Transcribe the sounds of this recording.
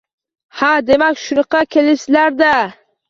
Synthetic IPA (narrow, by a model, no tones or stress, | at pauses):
had̪e̞makʲʃʊnɨqʰɑkʲʰe̞lɪslaɾd̪a